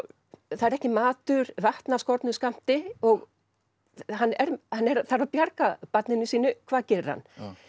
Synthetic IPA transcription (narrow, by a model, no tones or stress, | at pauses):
θaðɛɾɛhcɪmaːt̪ʏɾvaht̪nḁskɔɾt̪nʏskam̥t̪ɪɔɣ | hanːɛɾhanːɛɾθaɾawpjaɾkapat̪nɪnːɪsiːnʏkʰvaːðcɛːɾʏɾ̥ha̰nː